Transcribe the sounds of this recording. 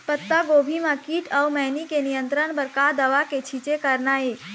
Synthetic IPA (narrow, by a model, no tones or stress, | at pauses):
pət̪ːaɡoːbʱimãkiːʈʰəwmɛːnikenijə̃nt̪ɾəɳbəɾkad̪əʋaket͡ʃʰit͡ʃekəɾnae